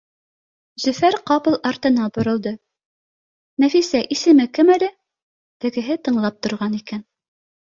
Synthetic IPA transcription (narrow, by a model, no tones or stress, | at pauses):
zɵ̆fæɾqɑpɤ̆lˠɑɾt̪ɤ̆nɑbŏɾɤ̆lˠd̪ɤ | næfisæʔisɘ̆mɘkɘmælɘ | t̪ɘ̆ɡɘ̆ɦɘt̪ɤ̆ɴlˠɑp̚t̪ŏɾʁɑnikæn